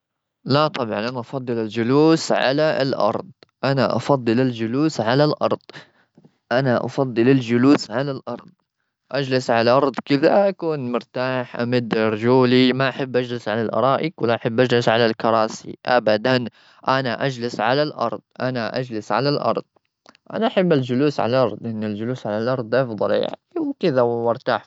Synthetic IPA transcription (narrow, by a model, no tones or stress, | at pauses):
lat̪ˤɑbʕɑnʔanaʔɑfɑd̪ˤːɨlɪld͡ʒʊluːsʕa̰laɪlʔɑ̰ɾˤd̪ˤʔanaʔɑ̰fɑd̪ˤːɨlɪld͡ʒʊluːsʕalalʔɑ̰ɾˤd̪̥ˤ | ʔanaʔɑ̰fɑd̪ˤːɨlɪld͡ʒʊluːsʕalalʔɑɾˤd̪̚ˤ | ʔad͡ʒlɪsʕalʔɑɾˤd̪ˤkɪðaʔakuːnmʊɾt̪aːħʔa̰mɪd̪ːɾˤd͡ʒuːlimaʔaħabːʔad͡ʒlɪsʕalalʔɑ̰ɾˤɑːʔɪkwɪlːaʔaħɪbːʔad͡ʒlɪsʕalalkɑɾˤɑːsḭʔabad̪an | ʔanaʔad͡ʒlɪsʕalalʔɑ̰ɾˤd̪ˤʔanaʔa̰d͡ʒlɪsʕalalʔɑ̰ɾˤd̪ˤ | ʔa̰naʔaħabːald͡ʒʊluːsʕa̰laʔɑɾˤd̪ˤʔɪnːɪld͡ʒʊluːsʕalalʔɑɾˤd̪ˤʔɑfðˤɑlja̰ʕniwkɪðawmʊɾt̪aːħ